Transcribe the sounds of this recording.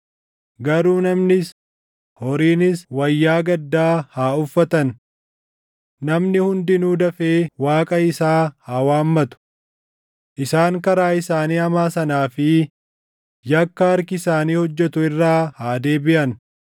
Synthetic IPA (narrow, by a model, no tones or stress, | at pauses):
ɡɐɾuːnɐmnɪs | hɔɾiːnɪswɐjːaːɡɐd̪ːaːhaːʊfːɐt̪ɐn | nɐmnɪhʊnd̪ɪnuːd̪ɐfeːwaːkʼɐɪsaːhaːwaːmːɐt̪ʊ̥ | ʔɪsaːŋkɐɾaːɪsaːniːɐmaːsɐnaːfɪ | jɐkːɐɐɾkɪɪsaːniːhɔd͡ʒːɛt̪ʊɪrːaːhaːd̪e̞ːbɪʔɐn